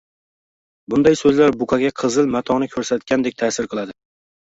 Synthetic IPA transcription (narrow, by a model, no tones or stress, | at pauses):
bʊnd̪ajsɵzlaɾbʊkʰaɡʲaqʰɨzɨlmat̪ʰɒnɪkʲʰɵɾsat̪̚kʲand̪e̞k̚ʲt̪ʰaːsɪɾqʰɨlˠad̪ɪ